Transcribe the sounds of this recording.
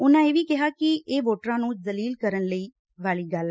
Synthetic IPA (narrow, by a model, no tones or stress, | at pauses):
ʊnãːeːʋiːkɛɦaːkieːʋoːʈɾãːnũːdəliːlkəɾənləiː | ʋaːliːɡəl